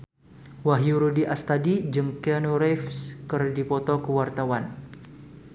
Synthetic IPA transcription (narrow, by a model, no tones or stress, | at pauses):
waɦjuɾudiʔast̪adid͡ʒəŋkɛnuɾɛfskərdipɔt̪ɔkəwart̪awan